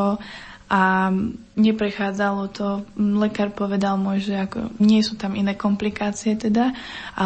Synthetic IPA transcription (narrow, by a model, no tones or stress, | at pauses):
ɔ | a | ɲɛpɾɛxaːd͡zalɔt̪ɔlɛkaːɾpɔʋɛd̪almɔjʒɛakɔ̰ɲɪɛsuːt̪aminɛːkɔmplikaːt͡siɛt̪ɛd̪aa